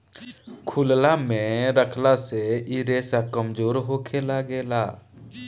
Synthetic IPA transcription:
kʰʊllamẽɾəkʰlaseiɾeːsakəmd͡ʒoːɾɦokʰelaɡeːla̰ː

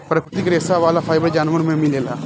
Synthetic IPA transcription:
pɾəkʰɾɪt̪iːkɾeːsaːʋaːlaːpʰaːɪjbəɾd͡ʒaːnʋəɾmẽmɪleːlaː

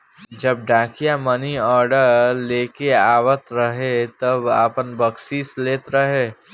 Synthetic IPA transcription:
d͡ʒɐb̚ɖãːkijamɐniɔːɾɖəɾleːkeaːwət̪ɾɐɦet̪ɐbaːpənbəksiːsleːt̪ɾɐɦeː

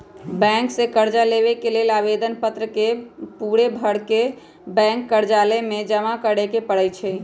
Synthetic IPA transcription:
bɛ̃ŋksẽkəɾd͡ʒaleβekelelaβed̪ənpət̪ɾəkepuɽebʱəɽke | bɛ̃ŋkːəɾd͡ʒalɛmed͡ʒəmakəɽekepəɽəjt͡ʃʰɛ

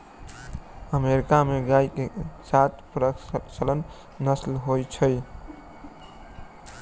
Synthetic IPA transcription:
əmeɾikameɡajkesat̪ʰpɾət͡ʃələnː | əslɦojt͡ʃʰəj

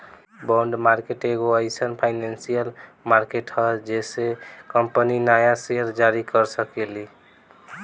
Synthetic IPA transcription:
bɔɳɖmaɾkeʈeɡoəɪsənpʰajnansijəlmaɾkeʈhəd͡ʒesekəmpəninajaseəɾd͡ʒaɾikəɾsəkeli

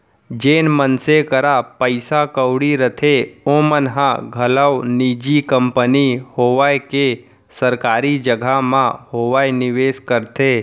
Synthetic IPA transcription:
d͡ʒeːnmənsekəɾapəɪsakəwɽiɾət̪ʰeomənɦãɡʱɐləwniːd͡ʒikə̃mpənihoːʋaːjke | səɾkaːɾid͡ʒəɡʱamãhoːʋaːjnɪʋeːskəɾt̪ʰeː

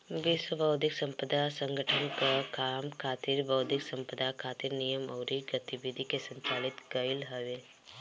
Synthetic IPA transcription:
ʋiswəbɐʊd̪ʱɪksə̃mpəd̪asə̃ŋɡʱəʈʰənkakʰaːmkʰaːt̪ɪɾbɐʊd̪ʱɪksɐ̃mpəd̪ʱakʰaːt̪ɪɾnijəmɔːɾiɡət̪iʋid̪ʱikesə̃ɲt͡ʃaːlɪt̪ɡɐɪlɦɐʋe

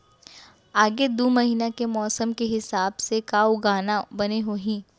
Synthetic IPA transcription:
aːɡed̪uːmɐɦiːnakemɔːsəmkeɦɪsaːbsekaːoɡaːnabɐneɦoːɦĩː

